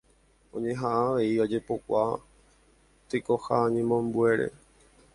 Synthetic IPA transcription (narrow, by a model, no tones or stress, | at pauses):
õ̞̰ɲẽ̞ɦaʔaʋe̞iod͡ʒe̞po̞kʷa | t̪ɨko̞haɲẽmõmbue̞ɾʔe̞̰